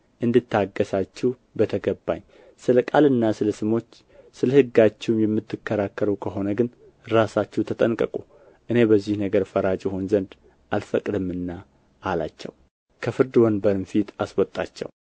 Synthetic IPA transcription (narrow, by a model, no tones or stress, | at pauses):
ʔɨnd̪ɨt̪ːaɡːəsat͡ʃːɪw | bət̪ʰəɡəbːa̰ɲː | sɨləkʼalɨnːasɨləsɨmo̞t͡ʃː | sɨləhɨɡːat͡ʃːɛwmjɛmːɨt̪ʰːɨkːəɾakʰːəɾukʰəɦo̞nəɡɨn | ɾasat͡ʃːɛwt̪ʰət̪ʼənkʼəkʼu | ʔɨne̞bəzːihnəɡəɾfəɾat͡ʃʼjɛho̞nzənd̪ | ʔalfəkʼd̪ɨmːɨnːa | ʔːlat͡ʃːɛ̰w | kʰəfɨɾd̪ɨwɔnbəɾɨmfit̪aswɔt̪ʼːa̰t͡ʃːɛ̰w